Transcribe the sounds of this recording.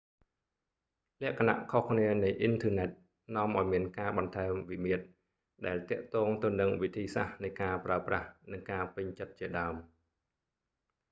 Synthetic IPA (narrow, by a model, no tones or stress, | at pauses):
lɛ̆əʔkʰana̰ʔkʰohkʰniənɨjʔint̪ʰəːnɛt̪̚ | nŏəmʔaɔjmiənkaːɓɑnt̪ʰaɛmʋimiət̪̚ | ɗaɛlt̪ɛ̆əʔt̪ɔːŋt̪ɨwnɨŋʋit̪ʰiːsa̰hnɨjkaːpraəpra̰hnɨŋkaːpɨɲt͡ɕət̪̚t͡ɕiəɗaəm